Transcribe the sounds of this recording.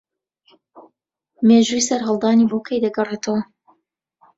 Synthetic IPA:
meʒujsɐɾɦɐlˠd̪aːniːboːkʰejd̪ɐɡɐret̪ʰəwɐ

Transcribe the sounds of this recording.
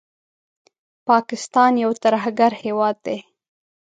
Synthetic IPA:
pɑkɪst̪ɑnjawt̪aɾɦaɡaɾhewɑd̪̚ːe

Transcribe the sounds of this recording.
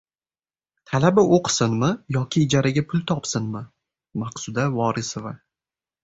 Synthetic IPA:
t̪ʰalabɪoqʰsɪnmɪjɒkʲʰɪːd͡ʒaɾaɡʲapʰʊlˠt̪ʰɒpsɪnmɪ | maqsʊd̪avɒɾɪsova

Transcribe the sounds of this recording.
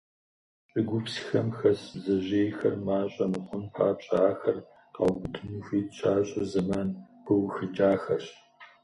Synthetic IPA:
ɕʼɪɡʷʊpsxɐmxɐsbzɐʑeːjxɐrmaːɕʼɐmɨχʷʊnpʰaːpɕʼaːxɐr | qɑ̰wɡʷʊdʰɨnuxʷiːtɕʰaːɕʼɐzɐmaːnb̥ɨwxɨd͡ʒaːxɐɕ

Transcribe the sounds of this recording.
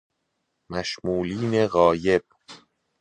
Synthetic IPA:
mæʃmuːliːne̞ɣɒːje̞b̥̚

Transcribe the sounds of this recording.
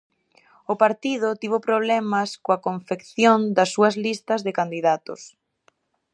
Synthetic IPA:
ʊpaɾt̪ið̞ʊt̪iβopɾoβ̞lɛmɐskoɐkoɱfekθjond̪ɐsːuɐzlist̪ɐzðɪkand̪iðat̪ʊ̰s

